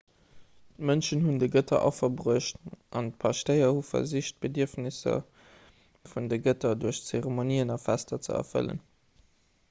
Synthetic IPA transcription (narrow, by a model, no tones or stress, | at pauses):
tmənʃənɦundəɡətʰɐ̰ʔɑ̰fɐbʁuəʃtʔɑnt̚pʰɑʃtəɪɐhufɐ̰ziʃt̚b̥ədiəfnisɐ̰ | fundəɡətɐduɐɕt͡seʁemoniːənɑfæstɐt͡sə̰ɐ̰fə̰lə̰n